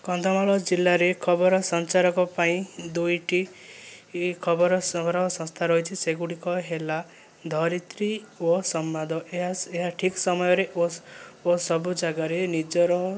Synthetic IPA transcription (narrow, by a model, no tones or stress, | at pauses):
kɔnd̪ʱɔmaɭɔd͡ʒilːaɾekʰɔbɔɾɔsɔnt͡ʃaɾɔkɔpaĩd̪ujʈi | kʰɔbɔɾɔsɔbɾɔɔsɔ̃nst̪ʰaɾɔɦit͡ʃʰiseɡuɽikɔɦela | d̪ʱɔɾit̪ɾiɔsɔmːad̪ʱɔeɦaeɦaʈʰiksɔmɔjɔɾeoosɔbud͡ʒaɡaɾenid͡ʒɔɾɔɦ